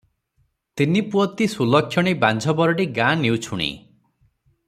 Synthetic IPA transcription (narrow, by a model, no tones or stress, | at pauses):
t̪inipuɔt̪isulɔkʰːjɔɽ̃iband͡ʒʱɔbɔɾɔʈiɡãniwt͡ʃʰuɽ̃ḭ